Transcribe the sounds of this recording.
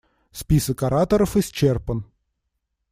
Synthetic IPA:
spʲisəkɐɾat̪əɾəfɪsʲt͡ɕerpən

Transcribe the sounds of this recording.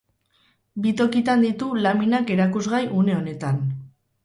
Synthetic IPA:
bit̪o̞kit̪and̪it̪ulaminake̞ɾakuzɣajʔune̞o̞ne̞t̪an

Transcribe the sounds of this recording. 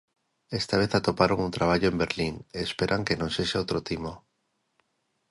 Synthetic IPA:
e̞st̪aβ̞eθat̪opaɾoŋunt̪ɾaβ̞aʎoe̞mbe̞ɾliŋeːspe̞ɾʔaŋkenõnse̞ʃaot̪ɾot̪imo

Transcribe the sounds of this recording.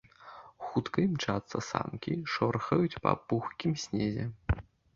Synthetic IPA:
xut̪kɨmt͡ʂat̪sɐsa̰mkʲiʂɔrxɐjut͡sʲpɐ̰puxkʲimsʲnʲezʲɛ

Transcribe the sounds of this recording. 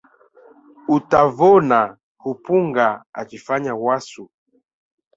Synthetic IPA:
utavɔna | hupuŋɡaa̰t͡ʃifaɲawasu

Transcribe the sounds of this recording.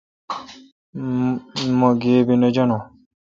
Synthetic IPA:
mɔɡebinɔd͡ʒɔnɔ

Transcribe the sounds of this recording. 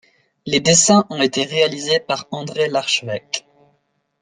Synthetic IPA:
led̪esɛ̃ʔɔ̃et̪eʁealizepaʁɑ̃d̪ʁelaʁʃəvɛk

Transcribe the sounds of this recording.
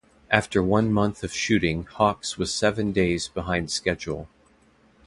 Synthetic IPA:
ʔæftə˞wʌ̃nmʌ̃nθʌv̥ʃʉɾɪ̃ŋhɑkswʌz̥sɛvɨ̃ndeɪzbəɦãɪ̃nd̥skɛd͡ʒl̩ˠ

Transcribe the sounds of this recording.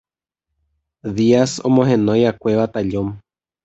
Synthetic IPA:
ðiaso̰mõɦẽnõjakʷe̞ʋat̪aʎõm

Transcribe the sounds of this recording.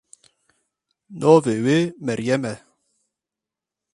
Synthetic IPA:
nɔvewemɛɾjɛmɛ

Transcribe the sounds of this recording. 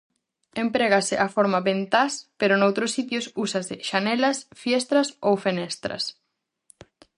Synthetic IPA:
empɾeɣasɪʔafoɾmaβent̪aspeɾʊnowt̪ɾʊsit̪̬jʊsusasɪʃanɛlɐsfjɛst̪ɾɐsowfenɛst̪ɾɐ̰s

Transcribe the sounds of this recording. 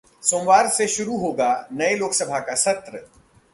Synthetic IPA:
soːmʋwaːɾseʃʊɾuɦoːɡaːnɐeloːksɐbʱakasɐt̪ɾə

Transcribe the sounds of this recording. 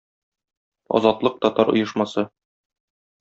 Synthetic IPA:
ɒ̰zɑt̪lˠɤq̚t̪ɒt̪ɑɾŏ̰jɤ̆ʃmɑsɤ

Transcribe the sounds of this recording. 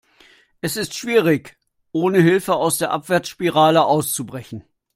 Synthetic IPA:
ʔɛsɪstʃv̥iːʁ̞ɪç | ʔoːnəɦɪlfəaʊsd̥eːɐʔapv̥ɛɐt͡sʃpiʁaːləʔaʊst͡subʁɛçn̩

